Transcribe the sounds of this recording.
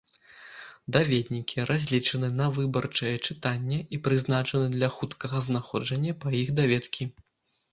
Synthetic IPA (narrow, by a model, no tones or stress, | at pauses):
d̪avʲɛd̪ʲnʲikʲʰiɾʔazʲlʲit͡ʂɐnɨnɐvɨbɐrt͡ʂɐjɛt͡ʂɨt̪anʲːɛʔipɾɨznat͡ʂɐnɨd̪lʲɐxut̪kɐɣɐznaxɔd͡ʐɐnʲːɐpɐixd̪avʲɛt̪kʲi